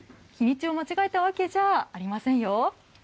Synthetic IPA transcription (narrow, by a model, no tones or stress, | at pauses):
kʲiɲ̟it͡ɕio̞mat͡ɕiɡaet̪aβ̞ake̞ʑaːaɾʲimasẽ̞ɰ̃jo̞